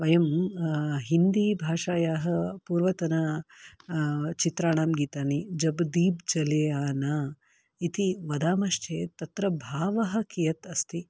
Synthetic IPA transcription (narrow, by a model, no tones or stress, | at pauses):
ʋɐjɐm | ɦind̪iːbʱaːʂaːjaːɦɐ̆puːɾʋɐt̪ɐnɐ | t͡ʃit̪ɾaːɳaːmɡiːt̪aːnid͡ʒɐbd̪iːbd͡ʒɐleːaːna | it̪iʋɐd̪aːmɐʂt͡ʃʰeːt̪ɐt̪ɾɐbʱaːʋɐɦɐ̆kijɐt̪ɐst̪ʰi